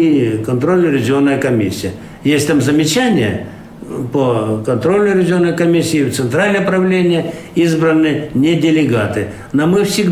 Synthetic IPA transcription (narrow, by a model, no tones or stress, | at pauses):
kɐnt̪ɾolʲnʊɾʲɪzʲɪonːəjəkɐmʲisʲːɪjə | jesʲtʲt̪amzəmʲɪt͡ɕænʲɪjə̰ | pəkɐnt̪ɾo̞lʲnʊɾʲɪzʲɪonːəjkɐmʲisʲːɪːft̪sɨnt̪ɾalʲnəjəpɾɐvlʲenʲɪjə | izbɾənːɨənʲedʲɪlʲɪɡat̪ɨ | nomɨfsʲɪɡ̪